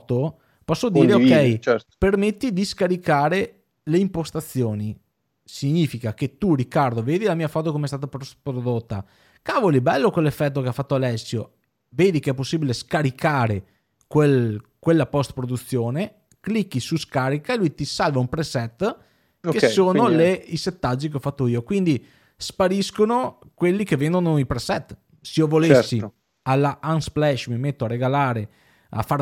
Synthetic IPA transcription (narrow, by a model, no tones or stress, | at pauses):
t̪o | pɔsːod̪iːɾeokkːɛjɛpermet̪ːid̪iskaɾikaːɾe | leimpost̪at̪sːjoːni | siɲiːfikaket̪urikːard̪oveːd̪ilamiːafɔːt̪okomeɛs̬t̪aːt̪apɾpɾod̪ot̪ːa̰ | kavolibɛlːokwelːefːɛt̪ːokeafat̪ːoalɛsːjo | veːd̪ikeɛpːosːiːbileskaɾikʰaːɾe | kwelkwelːapɔst̪̚pɾod̪ut̪sːjoːne | klikːisuskaːɾikaelujt̪isalvaumpɾesɛt̪ː | kessoːnoleiset̪ːad͡ʒːik̬eɔfat̪ːoiːokwind̪i | spaɾiskono | kwelːikevːend̪onoipɾesɛt̪ː | seovolesːi | alːaansplɛʃmimet̪ːoaɾeɡalaːɾe | a̰fːa